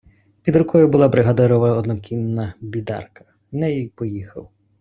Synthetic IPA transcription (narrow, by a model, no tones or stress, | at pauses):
pʲid̪ɾʊkʰɔjʊbʊlˠɑbɾɪɦɐd̪ɪɾɔʋɐɔd̪nɔkʲimnɐbʲid̪ɑ̰rkɐ̥ | nɛjipɔjixɐ̰w